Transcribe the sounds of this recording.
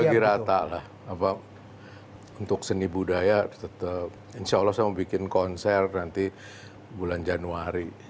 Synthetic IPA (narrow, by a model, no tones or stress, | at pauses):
aɡiɾat̪alah | apa | unt̪ʊksənibudajat̪ət̪ə | insalːɔhsajaməbikɪnkɔnsɛrnant̪i | buland͡ʒanuaɾi